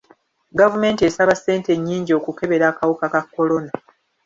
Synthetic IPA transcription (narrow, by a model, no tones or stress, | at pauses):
ɡavume̞ːntiesaβasːe̞ːnteɲːiːɲɟio̞ːkuke̞βe̞ɾaːkawukakakːo̞lo̞na